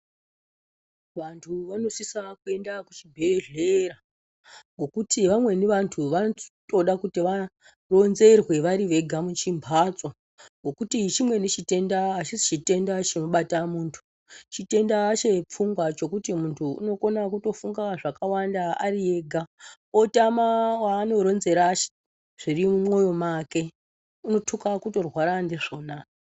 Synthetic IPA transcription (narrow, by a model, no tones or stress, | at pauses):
ʋantʰuʋano̞sisakue̞ndakut͡ʃibʱe̞ɮeɾa | ŋɡo̞kutiʋamwe̞neʋantʰuʋato̞ɗakutiʋa | ro̞nze̞rwe̞ʋaɾiʋe̞ɡʱamut͡ʃimbʱat͡sʼa | ŋɡo̞kutit͡ʃimwe̞net͡ʃite̞ndaːt͡ʃisit͡ʃite̞ndat͡ʃino̞ɓatamuːntʰu̥ | t͡ʃite̞ndaːt͡ʃe̞p͡fuŋɡwat͡ʃo̞kutimuntʰuṵno̞ko̞nak̬uto̞fuŋɡaʐakawandaarie̞ɡʱa | otamawaːno̞ɾo̞nze̞ɾat͡ʃ | ʐ̥irimumwo̞jo̞make̞ | uno̞tʰukakuto̞rwaɾandeʐo̞ːna